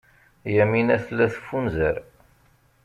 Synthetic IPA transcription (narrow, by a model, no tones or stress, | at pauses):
jæminæθlːæθfːunzəɾ